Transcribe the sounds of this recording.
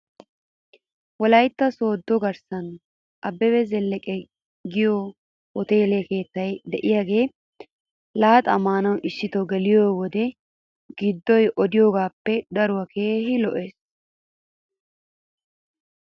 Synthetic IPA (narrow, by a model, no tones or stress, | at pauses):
wɔlɐjt̪ːɐso̞ːd̪ːɔɡɐɾsɐn | ʔɐbːɛbɛzɛlːɛkʼɛ | ɡɪjo | wɔt̪e̞ːleke̞ːt̪ːɐjd̪ɛʔɪjaːɡe̞ː | laːt̪ʼɐmaːnɐwʔɪʃːɪt̪ɔɡɛlɪjoːwɔd̪ɛ | ɡɪd̪ːɔjʔɔd̪ɪjoːɡaːpːɛd̪ɐɾʊwɐke̞ːhɪlɔʔe̞ːs